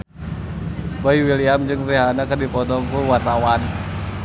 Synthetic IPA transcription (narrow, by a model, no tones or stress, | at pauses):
baiwiliamd͡ʒɨŋriɦanakɨrdipɔt̪ɔŋkuwart̪awan